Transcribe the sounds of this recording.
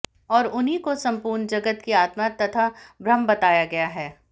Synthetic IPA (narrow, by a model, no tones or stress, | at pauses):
ɔːɾʊnɦikosɐ̃mpuːɾnd͡ʒɐɡət̪kiaːt̪mat̪ɐt̪ʰabɾɐmbɐt̪aːjaɡɐjaɦɛː